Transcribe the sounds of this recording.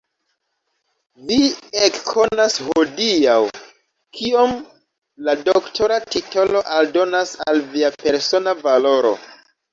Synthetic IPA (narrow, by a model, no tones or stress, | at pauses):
viekkʰo̞nashodiaw | kʰiom | ladoktʰo̞ɾatito̞lo̞ʔaldo̞nasalviape̞ɾso̞navalo̞ɾo̞̰